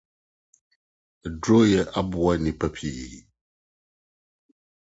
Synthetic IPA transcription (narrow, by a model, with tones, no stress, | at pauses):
dɾo˦jɛ˦ʔa˦bu˨˦a˦nĩ˨pɛ˦pʰi˦˨